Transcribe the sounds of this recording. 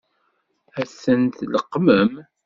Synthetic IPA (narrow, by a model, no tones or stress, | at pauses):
æsənt̪ləqːməm